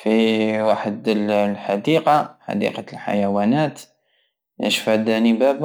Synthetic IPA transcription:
fiwaħəd̪llħad̪iːqɑħa̰d̪ḭːqɑlħa̰jawaːnaːt̪ | na̰ʃfad̪anibaːb

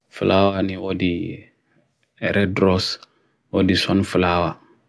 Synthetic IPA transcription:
fṵlawaniwɔdi | ɛɾɛdɾɔs | wɔdisɔnfulaːwa

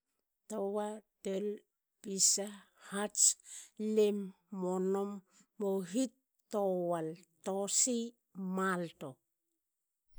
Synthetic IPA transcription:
towatel | pisa | hat͡ʃlemː | onomː | oɦitː | owaltosi | malto

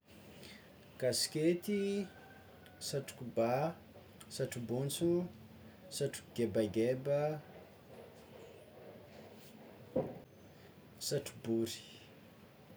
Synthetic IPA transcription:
kasket̪i | saʈ͡ʂu̥kuba | saʈ͡ʂubunt͡su | saʈ͡ʂu̥kɡebaɡebə | saʈ͡ʂu̥buɾi̥

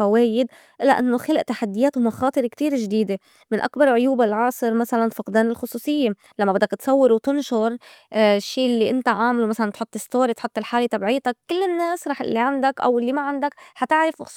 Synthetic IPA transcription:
faweːjɪd̪ | ʔɪlːaʔanːoxalʔt̪aħad̪ːɪjaːt̪wmaxɑːt̪ˤɨɾekt̪iːɾʒd̪iːd̪e | mɪnʔa̰kbɑɾˤʕʊjuːbɪlʕɑːsˤɨɾmasalanfɑqd̪aːnɪlxʊsˤuːsˤɨjːe | lamːabɪd̪ːakt̪sˤɑwːɪɾwt̪ɪnʃʊɾ | ʃːiːlːiʔɪnt̪aʕaːmlumasalant̪ħʊt̪ˤːɪst̪oːɾit̪ħʊt̪ːɪlħaːlet̪abʕiːt̪akkːɪlːɪnːeːsɾˤɑːħɪ̰lːiʕand̪akʔa̰wɪlːimaʕand̪akħat̪ɪʕɾɪfʔʊx

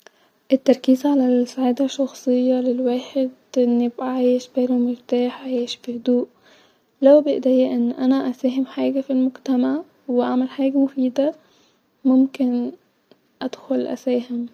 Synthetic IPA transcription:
ʔɪt̪ːɑɾˤkiːzʕalæsaʕaːd̪aʃːɑxsˤɨjːɑlɪlwaːħed̪ʔɪnːibʕaːjeʃbeɾomɪɾt̪aːħʕajiʃfihʊd̪uːʔ | læwbɪʔd̪æːjæʔɪnːʔænæʔæsæːɦɪmħaːɡæfilmʊɡt̪amaʕ | wɪʔaʕmælħaːɡæmʊfiːd̪a | mʊmkɪn | ʔæd̪̥xʊlʔæ̰sæːɦɪm

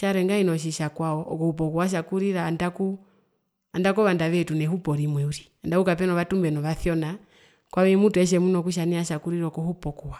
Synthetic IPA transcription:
ʃaɾɛŋɡainɔʃ̬iʃakwaɔʔːkɔhupɔkuaʃ̬akuɾiɾandaku | andakɔβandaʋɛtunɛhupɔɾimwɛuɾi | andakukap̬ɛnɔβatumbɛnɔʋaθjɔna | kwamɛmutuɛʃ̬ɛmunɔkuʃ̬aniaʃakuɾiɾɔkɔhupɔkɔwa

